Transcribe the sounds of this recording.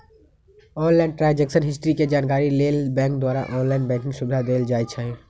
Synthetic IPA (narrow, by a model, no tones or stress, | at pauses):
ɔːnlɛːɳʈɾãːd͡ʒɛksənɦɪsʈɾiked͡ʒaːnkaːɾileːlbɛ̃ːŋkd̪waːɾa̰ʔɔːnlaːɪnbɛ̃ːŋk̬ɪ̃ŋɡsʊbɪd̪ʱad̪eːld͡ʒaːit͡ʃʰaːɦie